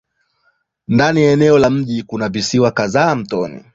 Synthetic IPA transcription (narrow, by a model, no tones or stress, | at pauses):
ndanijaɛnɛɔlam̩ʄikunavisiwakazaːm̩tɔnḭ